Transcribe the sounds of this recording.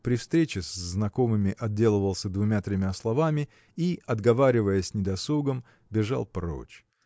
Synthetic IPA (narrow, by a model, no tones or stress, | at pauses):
pɾʲɪfst̪ɾʲet͡ɕɪszːnɐko̞mɨmʲɪʔɐd̪̚dʲe̞lˠəvəlˠsʲəd̪vʊmʲat̪ɾʲɪmʲaslˠɐvamʲɪ | iɐd̪ɡɐvaɾʲɪvəjəsʲnʲɪd̪ɐsˠuɡəm | bʲɪʐa̰lˠpɾo̰t͡ɕ